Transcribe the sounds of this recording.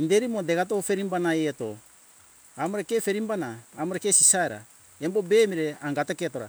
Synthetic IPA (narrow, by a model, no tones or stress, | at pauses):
indeɾimodeɡatofe̞ɾimbanaeeto̞̰ | amoɾekefe̞ɾimbanaːmoɾekesisaeɾa̰ | embo̞be̞ːmiɾe̞aŋɡateketo̞ɾa̰